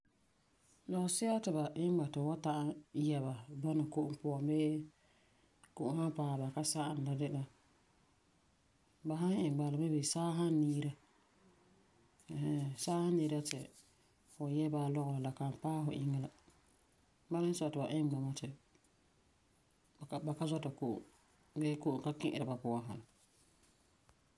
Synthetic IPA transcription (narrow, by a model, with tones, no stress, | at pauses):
lɔ˨ʊ˨sɪ˦a˦tɪ˨ba˨ʔɪ˦ɡ͡ba˨tɪ˨wa˦ta˦ʔa˦jɛ˨ba˨ba˦na˨ko˦ʔʊ˦pʊ˦ɔ˨mbeː˦ | ko˨ʔʊ˦ha˦mpaː˦˨ba˨ka˦sa˦ʔa˨n˨la˨dɪ˦la˨ | ba˨ɦa˦ŋɪ˨ŋ˨ɡ͡ba˨la˨bɛ˦be˨saː˦ɦa˦nː˦iː˦ɾa˦˨ | ɦɛ˦saː˦ha˦nːi˦ɾa˦tɪ̰˨ | fʊ˨jɛ˦ba˨˦lɔ˦ɣɔ˨la˨ka˨m˨paː˦fʊ̰˨ʔɪ˦ŋːɛ˦la˦ | ba˦mɪ˦n˦sɔ˦˨tɨ˨ba˨ʔɪ˦ŋ˨ɡ͡ba˨ma˦tɪ˨ | ba˨ka˦zɔ˦ta˨ko˦ʔo̰˨ | beː˦ko˦ʔo˨ŋka˦kɪ̃˦ʔɪ̰˨ɾa˨ba˨pʊ˦˨a˦ɦa˨na˨